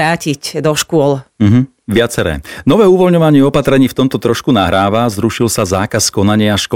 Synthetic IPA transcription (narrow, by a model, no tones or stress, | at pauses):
aːcicd̪ɔʃkʊɔlm̩ɦ̩ | ʋɪat͡sɛɾɛ̰ːnɔʋɛːuʋɔlɲɔʋaɲɪɛɔpat̪ɾɛɲiːft̪ɔmt̪ɔt̪ɾɔʃkunaɦɾaːʋazɾuʃilsazaːkaskɔnaɲɪɛaʃkɔ